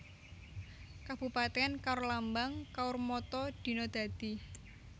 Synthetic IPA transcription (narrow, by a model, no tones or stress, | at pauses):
kab̥ṳpat̪ɛankaʊɾlambaŋkaʊrmɔt̪ɔd̪̥i̤nɔd̪̥a̤d̪̥i̤